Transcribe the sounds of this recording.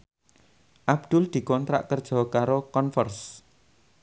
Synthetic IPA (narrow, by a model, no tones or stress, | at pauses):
ʔab̚d̪̥ʊld̪̥i̤kɔnt̪ɾa̰ʔkərd̥ʒ̥ɔ̤kaɾokɔnfərs